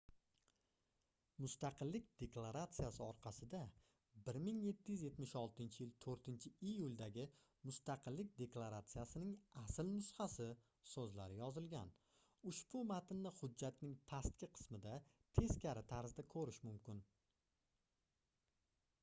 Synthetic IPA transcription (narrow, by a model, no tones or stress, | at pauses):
mʊst̪ɑqʰɨlːɪk̚ʲd̪̥e̞klˠaɾat̪sijasɪɒɾqʰɑsɪd̪a | bɪɾmɪŋje̞t̪ʰːɪjʏzje̞t̪mɪʃɒlˠt̪ɪnt͡ʃʰɪjɪlt̪ʰɵɾt̪ʰɪnt͡ʃʰɪijʊlʲˠd̪aɡʲɪ | mʊst̪aqʰɨlːɪk̚ʲd̪e̞klˠaɾat̪sijasɪnɪŋasɪlnʊshɑsɪ | sɵzla̰ɾɪjɒzɪlɡʲan | ʊʃbʊmat̪ʰɪnːɪhʊd͡ʒːat̪nɪŋpʰast̪̚kʲɪqʰɨ̥smɪd̪a | t̪ʰe̞skʲʰaɾɪt̪ʰaɾzd̪akʰɵɾɪʃmʊmkʲɪn